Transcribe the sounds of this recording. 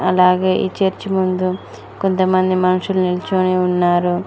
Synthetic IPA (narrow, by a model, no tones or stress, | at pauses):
ɐlaːɡe̞ːʔḭːt͡ʃeːɾt͡ʃimund̪u | kont̪ɐmɐnd̪imɐnɐʂulunilɐt͡ʃoːniunːaːɾu